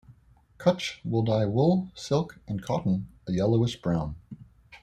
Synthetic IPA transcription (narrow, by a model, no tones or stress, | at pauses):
kʰʌt͡ʃwɪlˠdaɪwʊlˠsɪlˠkʔɨ̃nkʰɑʔn̩əjɛlˠoʊəsb̥ɹãʊ̃n